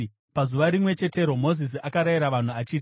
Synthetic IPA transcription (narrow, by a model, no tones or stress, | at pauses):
pazuʋaɾimwe̞t͡ʃe̞te̞ɾo̞mo̞zis̬iakaɾaiɾaʋan̤uat͡ʃiːti